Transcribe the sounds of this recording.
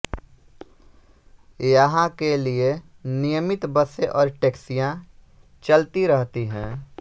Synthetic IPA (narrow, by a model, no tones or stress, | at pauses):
jəɦãkelienɪjəmɪt̪bəseʔɔːɾʈeːksijã | t͡ʃəlt̪iɾəɦt̪iɦɛ̃ː